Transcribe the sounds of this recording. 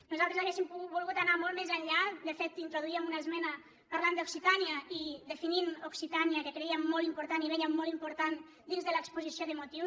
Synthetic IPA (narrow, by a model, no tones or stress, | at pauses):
nuzalˠt̪ɾezaɣesimpubulˠɣut̪anamolˠmezaʎʎːad̪əfet̪ːint̪ɾoðuiəmunaəzmɛnə | paɾland̪oksit̪aniəid̪əfininuksit̪aniəkəkɾeiamːɔlˠimpuɾt̪aniβɛʎəmɔlˠimpuɾt̪an | d̪inzðələkspuzisioðəmot̪iws